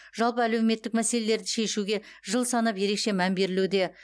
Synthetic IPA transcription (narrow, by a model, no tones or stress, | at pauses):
ʒ̥ɑlˠpəæle̞wme̞t̪ːɪk̚mæse̞le̞le̞ɾd̪ɪʃe̞ʃuɡʲe̞ʒəlˠsɑnɑpje̞ɾe̞kʃe̞mæmbe̞ɾɪlud̪e̞